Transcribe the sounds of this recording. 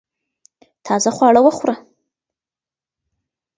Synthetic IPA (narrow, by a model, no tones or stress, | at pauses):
t̪ʰɑzaχwɑɽawəxwɾa